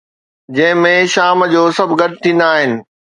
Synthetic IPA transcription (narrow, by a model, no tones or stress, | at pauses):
d͡ʑɐ̃ɦɪ̃mẽʃaːmd͡ʑoːsɐbʱɡɐʈɪt̪ʰĩːnd̪aːɦɪnɪ̆